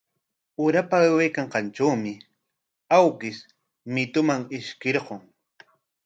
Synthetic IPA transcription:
ʊɾapawajkaɴqɑnʈ͡ʂawmɪ | awkɪs | mɪt̪ʊmaŋɪʃkɪɾɢoŋ

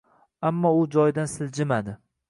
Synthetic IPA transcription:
amːɒʊd͡ʒɒjd̪ansɪld͡ʒɪmad̪ɪ

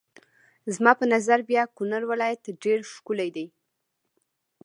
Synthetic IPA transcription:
zmɑpənazaɾbjɑkʊnaɾwɪlɑjat̪ɖeɾʃkʊlajd̪aj

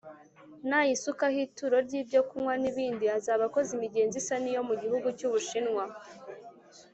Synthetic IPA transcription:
najisukahituɾo̞ɾɟiːbɟo̞kumwaniβiːndiazaːβako̞zimiɟe̞ːnzisanijo̞muɟihuɡucuːβuʃinŋwa

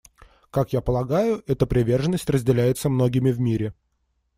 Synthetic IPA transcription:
kakjapəlˠɐɡajʊɛt̪əpɾʲɪvʲe̞rʐənːəsʲtʲrəzʲdʲɪlʲæjɪt̪səmno̞ɡʲɪmʲɪvmʲiɾʲɪ

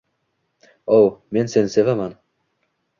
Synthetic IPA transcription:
owme̞nse̞nɪsevaman

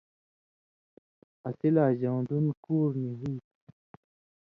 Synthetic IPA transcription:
ɐsilaːʑãːd̪unkuːɾniɦiːt̪

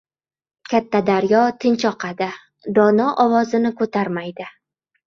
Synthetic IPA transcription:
kʲʰat̪ʰːad̪aɾjɒt̪ʰɪnt͡ʃʰɒqʰɑd̪ɪ | d̪ɒnɒʔɒvɒzɪnɪkʰɵt̪ʰaɾmajd̪ɪ

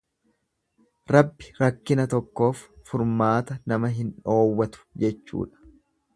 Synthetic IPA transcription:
ɾɐbːɪɾɐkːɪnɐt̪ɔkːo̞ːfːʊɾmaːt̪ɐnɐmɐɦɪnᶑo̞ːwːɐt̪ʊ̥d͡ʒɛt͡ʃːṵːᶑɐ̥

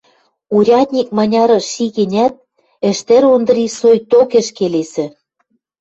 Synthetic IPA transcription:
uɾʲɑt̪̚ʲnʲik̚mɑnʲɑɾɤ̆ʃiɣĕnʲæt̪̚ | ɘ̆ʃt̪ĕɾond̪ɤ̆ɾisojt̪okĕʃkelesɘ̆

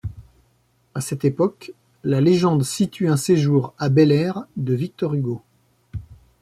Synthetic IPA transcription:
asɛt̪epɔk | laleʒɑ̃d̪sit̪yɛ̃seʒuʁabɛlɛʁd̪əvik̚t̪ɔʁyɡo

